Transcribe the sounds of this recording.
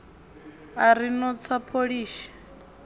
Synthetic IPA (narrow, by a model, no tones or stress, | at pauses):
aɾinɔt͡sʰapʰoɺiːʃḁ